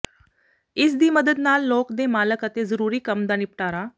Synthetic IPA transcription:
isd̪iːməd̪əd̪naːlːokd̪emaləkat̪ed͡zəɾuːɾiːkəmd̪anip̚ʈaɾa

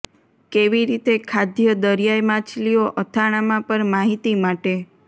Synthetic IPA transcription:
keʋiɾit̪ekʰad̪ʱjəd̪əɾjajmat͡ʃlijoʔət̪ʰaɽ̃amãpəɾmaɦit̪imaʈe

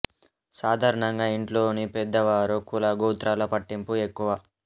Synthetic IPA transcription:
saːd̪ʱaːɾɐɳɐŋɡaːiɳʈlo̞ːnipɛd̪ːɐʋaːɾukulɐɡuːt̪ɾaːlɐpɐʈːimpuekːuʋa

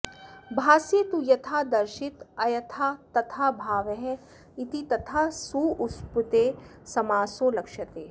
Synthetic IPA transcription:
bʱaːsjet̪ujɐt̪ʰaːd̪ɐɾʃit̪ɐjɐt̪ʰaːt̪ɐt̪ʰaːbʱaːʋɐɦɛ | it̪it̪ɐt̪ʰasuːusput̪eːsɐmaːsoːlɐkʃɐt̪eː

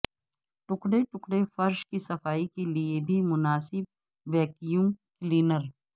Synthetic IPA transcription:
ʈʊkɽeʈʊkɽefɐɾʃkisɐfaːikeliebʱimʊnaːsɪb̚ | ʋɛːkijuːmkliːnəɾ

